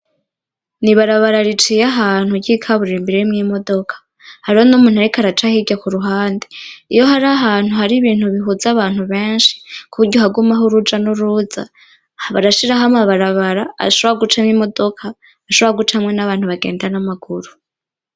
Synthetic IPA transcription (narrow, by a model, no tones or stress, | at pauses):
niβaɾaβaɾaɾit͡ʃijaɦaːn̥huɟikʰaβuɾimbiɾejimŋimo̞do̞kʰḁ | haɾihonumuːnuaɾikaɾat͡ʃahiɡakuɾuɦaːndi̥ijo̞ɦaɾaɦaːn̥uhaɾiβiːnhuβiɦuzaβaːn̥huβe̞ːnʃi̥kuβuɾɟoɦaɡumaɦoɾud͡ʒanuɾuza̰ | βaɾaʃiɾaɦamaβaɾaβaɾa̰ʃoβoɾaɡut͡ʃamŋiːmo̞do̞kʰa | aʃoβoɾaɡut͡ʃahamŋe̞naβaːn̥huβaɡe̞̰ːndanamaɡ̥uɾu